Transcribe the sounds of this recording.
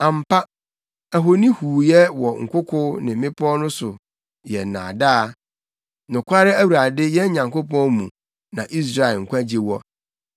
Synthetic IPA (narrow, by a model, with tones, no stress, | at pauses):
ã˨m̩˨pʰa˦ | æ˨ɦo˨nĩ˦huː˨jɛ˦wɔ˨ŋ̩˨kʰʷʊ˦kʰʊ˦nɪ̃˨m̩˦mɪ̃˦pʰɔ˦nʊ̃˦sʊ˨ | jɛ˨nã̰ː˨daː˦˨ | nʊ̃˨kʰʷa˦ɾɪ˦æ˦wu˨ɾa˨dɪ˦jɛ˦ɲã˨ŋko˦pɔ̃˦mũ˨ | nã˨ʔi˦s̬ɾa˦e˨lŋ̩˨kʷã˦d͡ʑi˨wɔ˦